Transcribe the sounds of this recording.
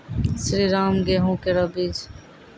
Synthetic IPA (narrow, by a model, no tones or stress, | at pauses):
sɾiːɾaːmɡeːɦũːkeɾɐbiːd͡ʒ